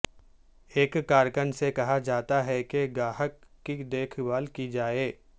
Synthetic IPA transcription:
eːkːaːɾkənsekɐɦad͡ʒaːt̪aɦɛkeɡaːɦəkːid̪eːkʰbaːlkid͡ʒaːeː

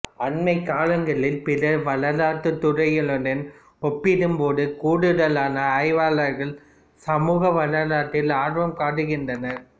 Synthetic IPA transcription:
ɐɳmɐɪkːaːlɐŋɡɐɭɪlpɪlɐʋɐɭɐlaːʈːɯt̪ːʊrɐɪjɪɭɯɽɐn | ɔpːɪɽɯmpoːðɯkuːɽɯɽɐlaːnɐːɪʋaːɭɐɾɣɐɭ | sɐmuːɣɐʋɐlɐlaːʈːɪlaːrʋɐmkaːʈɯɣɪndrɐnɐ

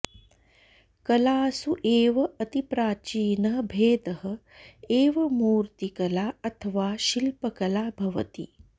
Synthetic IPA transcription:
kɐlaːsuʔeːʋɐɐt̪ipɾaːt͡ʃiːnɐɦɐbʱeːd̪ɐɦɐ | eːʋɐmuːɾt̪ikɐlaːɐt̪ʰɐʋaːʃilpɐkɐlaːbʱɐʋɐ̰t̪ḭ

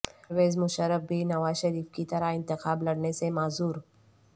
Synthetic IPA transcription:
ɾʋeːzmʊʃəɾəfbʱiːnɐʋaːzʃəɾiːfkit̪ɐɾaɪnt̪ɪxaːblɐɽɳesemaːzuːɾ

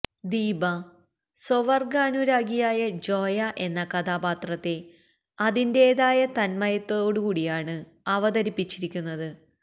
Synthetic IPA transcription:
d̪iːbɐ | soʋɐrɡaːnuɾaːɡijaːjɐd͡ʑo̞ːjɐʔe̞nːɐkɐd̪aːbaːt̪rɐt̪ːe̞ | ɐðinde̞ːðaːjɐt̪ɐnmɐjɐt̪ːoːɽukuːɽijaːɳɨ | ɐʋɐðɐɾipːit͡ɕːiɾikʲːunːɐðɨ

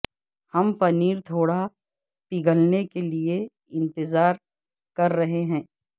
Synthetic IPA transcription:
hɐmpɐniːɾt̪ʰoːɽa | piɡəlnekelie | ɪ̃nt̪ɪzaːɾ | kɐɾːɐɦeɦɛ̃ː

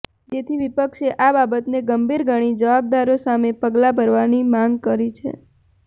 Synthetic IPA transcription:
d͡ʒet̪ʰiʋipəkʃeʔababət̪neɡəmbʱiɾɡʱəɽ̃id͡ʒəʋab̚d̪aɾosamepəɡlabʱəɾʋanimãŋɡkəɾit͡ʃʰḛ

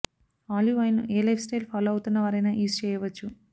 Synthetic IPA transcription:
aːljuɐjnuʔeːlɐjfsʈejlpʰaːlɐwut̪unːɐʋaːɾɐjnɐːʔiːst͡ʃɛːjɐʋɐt͡ʃːu

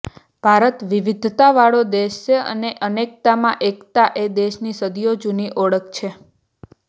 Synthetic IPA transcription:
b̥ʱaɾət̪ʋiʋid̪ʱt̪aʋaɭod̪eʃt͡ʃʰeə̰neʔənek̚t̪amãʔekt̪aʔed̪eʃnisəd̪ijod͡ʒuniʔɔɭəkt͡ʃʰe

